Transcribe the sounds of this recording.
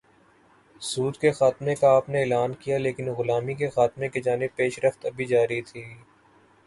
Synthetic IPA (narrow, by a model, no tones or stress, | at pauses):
suːd̪kexaːt̪mẽkaaːpneeːlaːnkijaleːkɪnɣʊlaːmikexaːt̪mẽked͡ʒaːnɪb̚peːʃɾəft̪ɐbʱid͡ʒaːɾit̪ʰiː